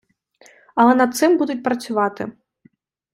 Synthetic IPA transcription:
ɐlˠɛnɐt̪t̪sɨmbud̪ut͡sʲpɾɐt̪sʲuvat̪ɨ̰

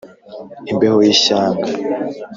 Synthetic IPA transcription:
imbehojiʃaːŋɡa

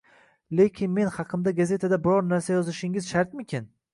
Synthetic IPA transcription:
le̞kʲʰɪnme̞nhɑqʰɨmd̪aɡazʲe̞t̪ʰad̪abɪɾɒɾnaɾsajɒzɪʃɪŋɪzʃaɾt̪̚mɪkʲʰɪn

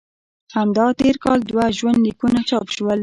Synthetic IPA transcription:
hamd̪ɑt̪eɾkɑld̪waʒwand̪likunat͡ʃɑpʃwəl

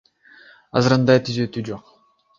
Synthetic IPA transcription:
ɑ̰zɯɾɯnd̪ɑjt̪ʰyzø̞t̪yːd͡ʒo̞q

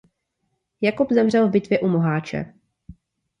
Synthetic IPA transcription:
jakupzɛmr̝ɛlvbɪt̪vjɛʔumoɦaːt͡ʃɛ̰

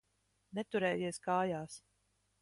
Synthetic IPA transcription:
nɛt̪uɾɛːjiɛskaːjaːs

